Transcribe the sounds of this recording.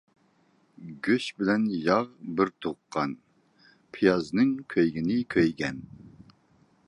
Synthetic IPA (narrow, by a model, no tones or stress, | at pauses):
ɡʲøʃbɪlɛnjɑʁbɪɾt̪ʰoqʰːɑn | pʰijɑznɨŋkʲʰøjɡʲinɪkʲʰøjɡʲɛn